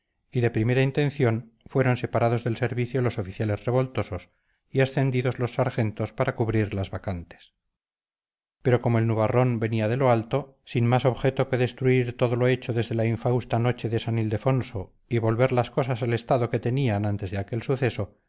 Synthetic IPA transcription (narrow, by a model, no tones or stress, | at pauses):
iðe̞pɾime̞ɾaint̪e̞nθjo̞n | fwe̞ɾo̞nse̞paɾaðo̞zðe̞lse̞ɾβiθjolo̞so̞fiθjale̞zre̞β̞o̞lt̪oso̞s | iesθe̞nd̪iðo̞zlo̞sːaɾxe̞nt̪o̞spaɾakuβɾiɾlazβakant̪e̥s | pe̞ɾo̞ko̞moelnuβaro̞mbe̞niað̞e̞lo̞alt̪o̞ | sinmaso̞βxe̞t̪o̞ke̞ðe̞st̪ɾuiɾt̪o̞ðo̞lo̞e̞t͡ʃo̞ðe̞zðe̞laiɱfawst̪ano̞t͡ʃe̞ðesanild̪e̞fo̞nso̞ | iβo̞lβe̞ɾlasko̞sasale̞st̪aðo̞ke̞t̪e̞nianant̪e̞zðeake̞lsuθe̞so̞